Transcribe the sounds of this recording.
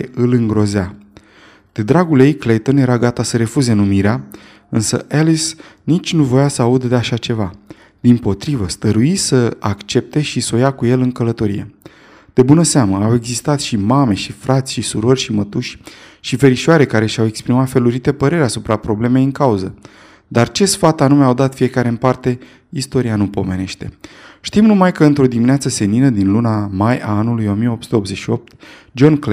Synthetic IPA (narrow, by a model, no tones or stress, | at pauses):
ʔɨlɨŋɡɾo̞za | d̪̥e̞d̪ɾaɡulje̞jklejt̪o̞nje̞ɾaɡat̪asəɾe̞fuze̞numiɾea | ɨnsə̰ʔelisnit͡ʃʲnuvo̞jasəaud̪d̪e̞aʃat͡ʃe̞va | d̪̥impo̞t̪ɾivəst̪əɾuisəakt͡ʃe̞p̚t̪e̞ʃiso̞jakuje̞lɨŋkələt̪o̞ɾḭje̞̰ | d̪̥e̞bunəseaməawe̞ɡzist̪at̪ʃimame̞ʃifɾat̪sʲʃisuɾo̞rʲʃimət̪uʃʲʃive̞ɾiʃiaɾe̞kaɾe̞ʃawe̞kspɾimat̪fe̞luɾit̪e̞pəɾe̞ɾʲeasupɾapɾo̞ble̞mejɨŋkauzə | d̪art͡ʃe̞sfat̪anumeawd̪at̪fie̞kaɾe̞ɨmpart̪e̞ | ist̪o̞ɾianupo̞me̞ne̞ʃt̪e̞̰ʃt̪imnumajkəɨnt̪ɾo̞d̪imineat̪səse̞ninəd̪inlunamaja̰anulujo̞mijeo̞psut̪eobze̞t͡ʃʃio̞p̚t̪ | d͡ʒo̞nkl